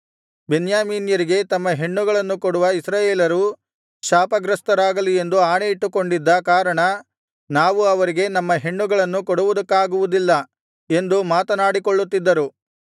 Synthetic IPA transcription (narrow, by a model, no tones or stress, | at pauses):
be̞njaːmiːnjɐɾiɡe̞t̪ɐmːɐɦe̞ɳːuɡɐɭɐnːukoɽuʋɐisɾaːjeːlɐɾu | ʃaːpɐɡɾɐst̪ɐɾaːɡɐlie̞nd̪uaːɳeiʈːuko̞ɳɖid̪ːɐkaːɾɐɳɐ | naːʋuɐʋɐɾiɡe̞nɐmːɐɦe̞ɳːuɡɐɭɐnːukɔɽuʋud̪ɐkːaːɡuʋud̪ilːɐ | e̞nd̪umaːt̪ɐnaːɽikoɭːut̪ːid̪ːɐɾu